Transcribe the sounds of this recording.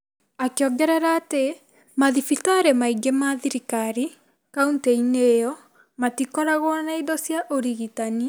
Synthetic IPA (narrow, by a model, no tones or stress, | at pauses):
akeɔɡɛɾɛɾaːte | maðifitaːɾemaiɡemaðiɾikaɾi | kaunteinejɔ | matikɔɾaɣwɔnaidɔsjaʔoɾiɣitani